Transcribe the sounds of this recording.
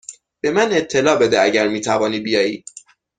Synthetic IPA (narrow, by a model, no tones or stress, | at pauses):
b̥e̞mæne̞t̪ʰːe̞lɒːbe̞d̪eæɟæɾmiːt̪ʰævɒːniːbijɒːji̥ː